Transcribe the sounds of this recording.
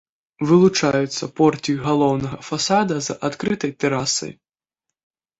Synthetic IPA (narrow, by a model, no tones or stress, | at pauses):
vɨlˠut͡ʂajut̪sːɐpɔrt̪ʲijuɣalˠɔwnɐɣɐfasad̪ɐzɐʔat̪kɾɨt̪ɐjt̪ɛɾasɐ̰j